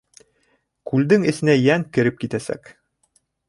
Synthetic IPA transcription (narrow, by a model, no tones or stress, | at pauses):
kʉld̪ɘŋɘ̆sɘ̆næjæŋkɘ̆ɾɘp̚kit̪æsæ̰k